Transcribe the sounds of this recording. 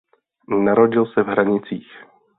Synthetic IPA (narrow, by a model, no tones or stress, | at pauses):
naɾo̞ɟɪlsɛvɦɾaɲɪt͡siːx